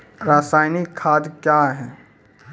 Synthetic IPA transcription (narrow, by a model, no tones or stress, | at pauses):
ɾaːsaːɪnikʰːaːd̪kjaɦɛː